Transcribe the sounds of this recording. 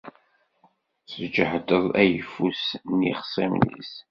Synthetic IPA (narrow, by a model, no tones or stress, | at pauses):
səd͡ʒəħəd̪əðˤæjəfːusniχə̥sˤimnḭs